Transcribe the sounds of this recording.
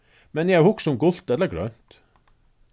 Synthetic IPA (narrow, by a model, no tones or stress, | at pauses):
mɛnjææhʊksɔmɡʊlt̪ɛlːəɾɡɾœ̰nt̪